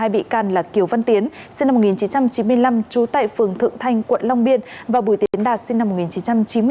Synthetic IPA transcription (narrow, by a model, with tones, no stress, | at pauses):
aː˧jɓḭ˧˨kaː˧˩nlaː˨˩ki˨˩əwva˧nt̪i˨˦ənsi˧ŋna˧m̚˨˩ŋi˨˩nt͡ɕi˨˦nt͡ɕa˧mt͡ɕi˨˦nmɨ˧əjla˧mt͡ɕu˨˦t̪a̰ː˧˨jfɨ˨˩əŋt̪ʰɨ̰˧˨əŋt̪ʰa˧jŋ̟kwə̰˧˨nla˧wŋ͡mɓi˧ənvaː˨˩ɓu˧˩jt̪i˨˦˨ənɗaː˨˩t̚si˧ŋna˧mo˨˩t̚ŋi˨˩nt͡ɕi˨˦nt͡ɕa˧mt͡ɕi˨˦nm˧